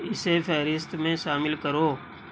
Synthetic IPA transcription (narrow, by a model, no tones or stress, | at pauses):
ɪsepʰɛɦɾɪst̪mẽʃaːmɪlkɐɾoː